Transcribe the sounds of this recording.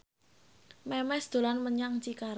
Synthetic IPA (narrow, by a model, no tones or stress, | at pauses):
mɛmɛsd̪̥o̤lanməɲaŋt͡ʃikaɾ